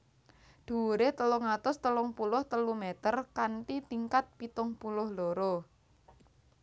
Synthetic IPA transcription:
ɖ̪̥ṳuɾet̪əlɔŋat̪ʊst̪əlʊŋpulʊht̪əlumet̪ərkanʈit̪iŋkat̪̚pit̪ʊŋpulʊhloɾɔ

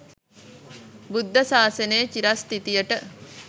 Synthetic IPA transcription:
bud̪ʱːɐsaːsɐneːt͡ʃiɾast̪it̪ijəʈə

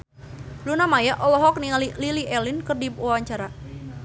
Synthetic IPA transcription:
lunamajaʔɔlɔɦɔk̚niŋalililiʔɛlinkərdip̚ɔwaɲt͡ʃaɾa

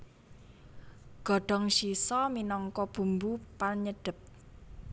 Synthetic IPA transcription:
ɡ̥ɔ̤ɖ̥ɔ̤ŋʃisɔminɔŋkɔb̥ṳmbupaɲəɖ̥ə̤p̚

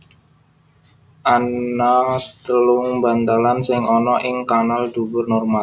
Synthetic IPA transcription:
ʔanat̪əlʊŋbant̪alansɪŋɔnɔʔɪŋkanald̥ubʊrnɔrmal

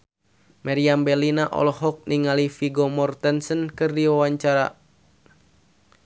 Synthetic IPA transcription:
maɾiambɛlinaʔɔ̰lɔɦɔk̚niŋalifiɡɔmɔrt̪ənsənkɨrdiwawaɲt͡ʃaɾa̰

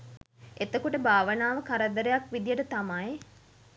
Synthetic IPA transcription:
et̪əkuʈəbʱaːʋənaːʋəkaɾəd̪əɾejakʋid̪ijəʈət̪amaj

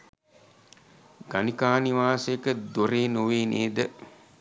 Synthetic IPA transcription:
ɡanikaːniʋaːsekəd̪oɾeːnoʋeːnʔeːd̪ə

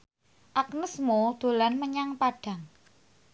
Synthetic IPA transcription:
ʔaknəsmod̪̥o̤lanməɲaŋpaɖ̥a̤ŋ

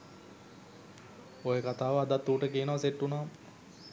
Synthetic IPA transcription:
ojekat̪aːʋəad̪at̪ːuːʈəkiənəʋaseʈːunaːm

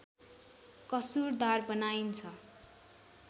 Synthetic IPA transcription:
kʌsurd̪arbʌnaint͡sʰʌ

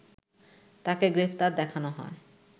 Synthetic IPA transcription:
t̪akeɡɾept̪aɾd̪ɛkʰanoɦɔ̰e

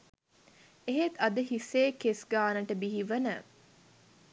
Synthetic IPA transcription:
eɦet̪ɐd̪əɦiseːkesɡaːnəʈəbiɦiʋɐnə

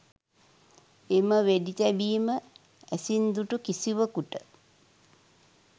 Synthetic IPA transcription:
eməʋedit̪æbiːmə | æsind̪uʈukisiʋəkuʈə

